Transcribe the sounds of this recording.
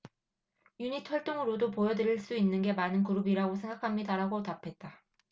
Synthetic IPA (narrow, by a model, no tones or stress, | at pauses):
juɲitʰʌɭt͈oŋɯɾodopojʌdɯɾiɭs͈uinːɯnɡe̞manɯnkuɾubiɾaɡosʰe̞ŋɡakʰamɲidaɾaɡotapʰe̞t̚t͈a